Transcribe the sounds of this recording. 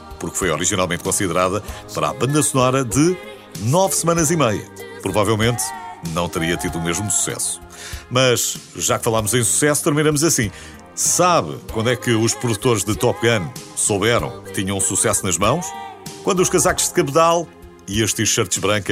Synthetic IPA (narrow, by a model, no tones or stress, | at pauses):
puɾkfojɔɾiʒinalˠmẽnt̪̚kõsiðɨɾaðɐpɐɾa̰βɐ̃nd̪ɐsunɔɾɐðɨ | nɔvsɨmɐ̃nɐzimɐjɐ̰pɾuvavɛlˠmẽnt̪nɐ̃w̃t̪ɨɾiɐt̪iðumeʒmusu̥sɛ̰su̥ | mɐʃʒakfɐlˠamuzɐ̃j̃su̥sɛsu̥t̪ɨɾminɐmuzɐsĩ | saβɨkwɐ̃nd̪wɛkɨuʃpɾuðut̪oɾʒðɨt̪ɔpɣɐnsoβɛɾɐ̰̃w̃kɨ̥t̪iɲɐ̃ũsusɛsunɐʒmɐ̃w̃ʃkwɐ̃nd̪uʃkɐzakʒ̥ðɨkɐpt̪alˠ | iɐʃt̪iʃɐɾt̪ʒβɾɐ̃ŋkɐ